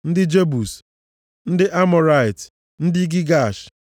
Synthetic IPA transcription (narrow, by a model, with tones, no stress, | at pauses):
n̩˦dɪ˦d͡ʒe˦bu˨s | n̩˦dɪ˦ʔa˦mɔ˨ɾa˨i˨t | n̩˦dɪ˦ɡi˦ɡa˦˨ʃ